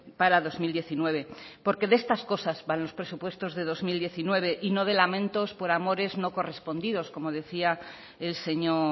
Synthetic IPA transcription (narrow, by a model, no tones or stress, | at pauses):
paɾaðo̞zmild̪je̞θinwe̞βe̞po̞ɾke̞ðe̞st̪asko̞sazβanlo̞spɾe̞supwe̞st̪o̞zðe̞ðo̞zmild̪je̞θinwe̞β̞e̞ʔino̞ð̞e̞lamẽnt̪o̞spo̞ɾamo̞ɾe̞zno̞ko̞re̞spo̞nd̪iðo̞sko̞mo̞ð̞e̞θia | else̞ɲo